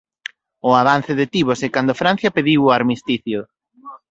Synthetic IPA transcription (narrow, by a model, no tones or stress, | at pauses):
ʊaβan̟θɪðɪt̪iβosɛkand̪ʊfɾan̟θjapeðiwʊaɾmist̪iθjʊ